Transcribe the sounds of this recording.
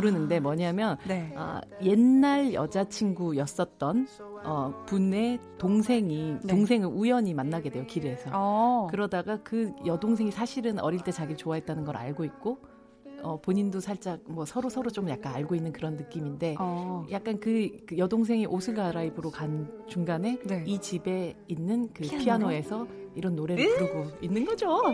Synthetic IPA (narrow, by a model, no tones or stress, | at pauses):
kuɾɯnɯnde̞mwʌɲaɦmjʌnʌ̰je̞nːaɭjʌd͡ʑat͡ɕʰinɡujʌs͈ʌt̚t͈ʌn | ʌpune̞toŋsʰe̞ŋioŋs̬ʰe̞ŋɯɭujʌɲimanːaɡe̞dwe̞jokiɾesʰʌkɯɾʌdaɡakɯjʌdoŋsʰe̞ŋisʰaɕʰiɾɯnʌɾiɭt͈e̞t͡ɕaɡit͡ɕowaɦe̞t̚t͈anɯnɡʌɾa̰ɭɡoik̚k͈o | ʌpoɲindosʰaɭt͡ɕ͈ak̚mwʌsʰʌɾosʰʌɾot͡ɕ͈omjak̚k͈anaɭɡoinːɯnkɯɾʌnːɯk͈iminde̞jak̚k͈ankɯjʌdoŋs̬ʰe̞ŋiʔosʰɯɭɡaɾaibɯɾokant͡ɕuŋɡane̞it͡ɕibe̞inːɯnkɯpʰianoe̞sʰʌiɾʌnːoɾe̞ɾɯɭuɾɯɡoinːɯnɡʌd͡ʑo